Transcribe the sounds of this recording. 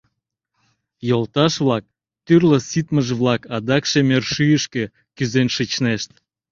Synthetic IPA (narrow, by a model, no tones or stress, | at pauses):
jolˠt̪ɑʃβlɑk̚ | t̪yrlə̆sit̪məʒβlɑkɑd̪ɑkʃemerʃyjəʃkĕ | kyzenʃɨt͡ɕneʃt̪